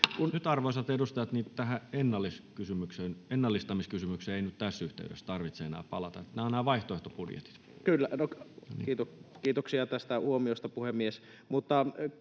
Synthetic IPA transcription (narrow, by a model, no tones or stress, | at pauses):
kunnyt̪ɑrʋoˑisɑt̪edust̪ɑjɑt̪niːt̪æɦæenːɑlːiskysymyksenenːɑlːist̪ɑmiskysymykseːeinyt̪t̪æsːyht̪ḛydest̪ɑrʋit̪seenæ̰ːpɑ̰lɑt̪ɑet̪ːænæonnæːʋɑiht̪oeht̪opudjḛt̪i̥t̪ | kylːænon̰kiːt̪okiːt̪oksiɑt̪æst̪æhuomiost̪ɑpuhemːies | mut̪ːɑ